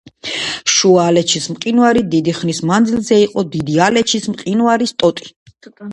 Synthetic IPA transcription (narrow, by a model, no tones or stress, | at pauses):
ʃuaːlɛt͡ʃʰismqʼinuaɾid̪id̪iχnismand̪zilzɛiqʼɔd̪id̪ialɛt͡ʃʰismqʼinuaɾist̪ʼɔt̪ʼi̥